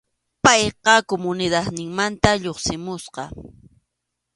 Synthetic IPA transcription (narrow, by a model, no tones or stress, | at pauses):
pɑjqɑkomʊnɪd̪aðnɪŋmant̪aʎoχsɪmʊsqɑ